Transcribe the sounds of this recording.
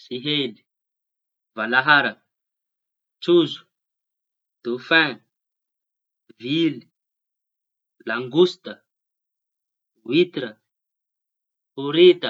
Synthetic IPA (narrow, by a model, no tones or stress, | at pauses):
siɦeli̥ | valaɦaɾə | t͡suzu̥ | d̪̥ufɛ̃n | vili | laŋɡust̪ə | wit̪iɾə | uɾit̪ə